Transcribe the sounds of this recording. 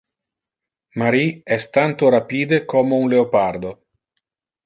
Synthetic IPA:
maɾiɛst̪ant̪oɾapiːd̪ekʰomounleopard̪o

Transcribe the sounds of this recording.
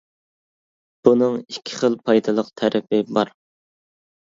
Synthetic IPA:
b̥unɨŋikʲʰːɪ̥χəlˠpʰɑjd̪ɨlˠəqt̪ʰæɾʔɪpʰɪbɑɾ

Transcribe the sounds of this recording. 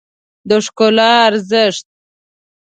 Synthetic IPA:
d̪oʂkolɑːɾzɪʂt̪̚

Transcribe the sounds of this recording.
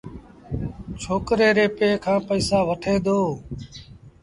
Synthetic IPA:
t͡ʃʰoːkɾeːɾeːpeːkʰãːpəiːsaːʋəʈʰeːd̪oː

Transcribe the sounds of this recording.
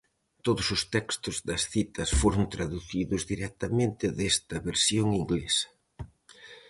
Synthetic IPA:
t̪oðʊsʊst̪ɛkst̪ʊzðɐsθit̪ɐsfoɾʊnt̪ɾaðuθiðʊzðiɾɛk̚t̪ɐmẽnt̪ɪðest̪ɐβeɾsjoŋiŋɡlesɐ̥

